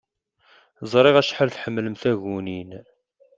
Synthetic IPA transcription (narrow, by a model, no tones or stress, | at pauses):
zˤɾˤeʁæʃħəlθħəmːləmθæɣunin